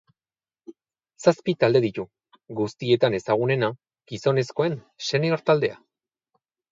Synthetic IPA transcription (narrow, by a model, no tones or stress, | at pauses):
saspit̪ald̪e̞ð̞it̪u | ɡust̪ie̞t̪ane̞saɣ̞une̞na | ɡ̥iso̞ne̞sko̞e̞n | se̞neoɾt̪ald̪e̞a̰